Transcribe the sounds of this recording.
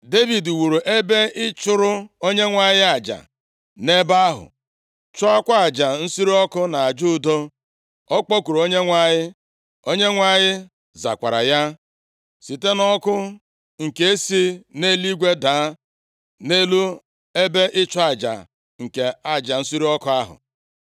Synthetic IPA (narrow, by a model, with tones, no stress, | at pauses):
de˦vi˨du˨wu˨ɾu˨ʔe˦be˦ɪ˦t͡ʃʊ˦ɾʊ˦o˦ɲe˦ŋʷa˨ɲɪ˦a˨d͡ʒa̰˨ | ne˦ba˦ɦʊ̰˨ | t͡ʃʊ˦a˦kʷa˦a˨d͡ʒa˨n̩˦si˦ɾi˦ɔ˦kʊ˦na˨a˨d͡ʒu˦˨do˦ | ɔ˦k͡pɔ˦ku˨ɾo˨o˦ɲe˦ŋʷa˨ɲɪ˦ | o˦ɲe˦ŋʷa˨ɲɪ˦ | za̰˨kʷa˨ɾa̰˨ja˦ | si˨te˦nɔ˦kʊ˦ | ŋ̩˨ke˨e˦si˦ne˦li˦ɡʷe˦daː˨˦ | ne˦lu˦ | e˦be˦ʔɪ˦t͡ʃʊ˦a˨d͡ʒa̰˨ | ŋ̩˨ke˨a˦d͡ʒa˨n̩˦si˦ɾi˦ɔ˦kʊ˦a˦ɦʊ̰˨